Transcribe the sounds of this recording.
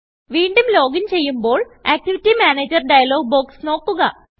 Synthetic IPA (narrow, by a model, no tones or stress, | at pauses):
ʋiːɳɖumlo̞ːɡint͡ɕe̞jːumbo̞ːɭaːk̚ʈiʋitːimaːneːd͡ʑɐrɖɐjɐlo̞ːɡ̚bo̞ːksno̞ːkːuɣɐ